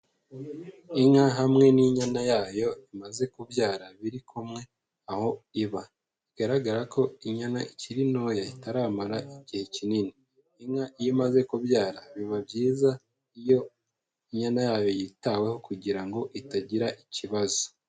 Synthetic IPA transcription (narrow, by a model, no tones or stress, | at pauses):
iŋaɦamŋe̞niɲanajaːjo̞imaze̞kuβjaːɾaβiɾikʰumŋe̞ | aho̞iβa | iɡ̥aɾaɡaɾako̞iɲana̰iciɾinoːjaitaɾaːmaɾaiɟihe̞cininiː | ŋaʔijimaze̞kuβjaːɾaβiβabjiːza | ijo̞ | iɲanajaːjo̞jitawe̞ho̞kuɟiɾaŋɡo̞ʔitaɟiɾaʔiciβazo̥